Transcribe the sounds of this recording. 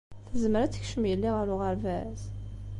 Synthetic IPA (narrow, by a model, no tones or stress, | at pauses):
θəzməɾæt͡sːə̥çʃəmjəlːiʁəɾʊʁəɾvæz